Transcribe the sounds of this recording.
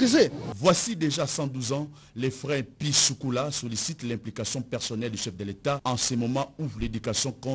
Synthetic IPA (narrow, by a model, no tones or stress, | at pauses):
zevwasid̪eʒasɑ̃d̪uzɑ̃ | lefʁɛ̃pisukulasɔlisit̪lɛ̃plikasjɔ̃pɛʁsɔnɛld̪yʃɛfd̪əlet̪aɑ̃semɔmɑ̃uled̪ykasjɔ̃kɔ̃